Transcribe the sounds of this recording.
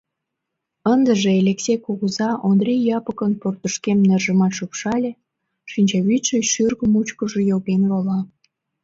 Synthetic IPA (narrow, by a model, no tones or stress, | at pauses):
ənd̪əʒelʲeksekuɣəzɑʔond̪rʲijːɑpəkənport̪əʃkemnerʒəmɑʃupʃɑlʲe | ʃinʲt͡ɕɑβyt̪ʃeʃyrɣəmut͡ɕkəʒejopenɣolɑ